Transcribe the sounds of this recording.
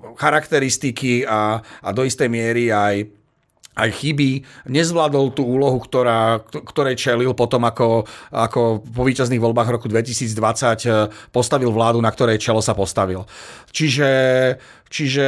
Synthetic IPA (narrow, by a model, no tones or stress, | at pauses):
xaɾakt̪ɛɾist̪ikiaːd̪ɔist̪ɛjmɪɛɾiaj | ajxibiɲɛzʋlad̪ɔlt̪uːuːlɔɦukt̪ɔɾaːkt̪ɔɾɛjt͡ʃɛlilpɔt̪ɔmakɔakɔpɔʋiːcazniːɣʋɔlbaːɣʋɾɔkud̪ʋɛcisiːd͡zd̪ʋat͡sacpɔst̪aʋilʋlaːd̪unakt̪ɔɾɛjt͡ʃɛlɔsapɔst̪aʋilt͡ʃiʒɛ | t͡ʃiʒɛ